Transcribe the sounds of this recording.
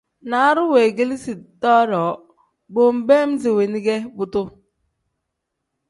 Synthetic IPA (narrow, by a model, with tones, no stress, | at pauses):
na˨˦ɾʊ˦we˨ɡi˦li˦si˨tɔ˦ɾɔ˨ | bo˨m̩˨be˦m̩˦zi˨we˨ni˦ɡe˦bʊ˦tʊ˦